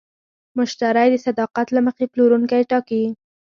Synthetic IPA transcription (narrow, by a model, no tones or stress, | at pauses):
mʊʃt̪aɾajd̪əsad̪ɑqat̪laməxeploɾuŋkajʈɑkiwi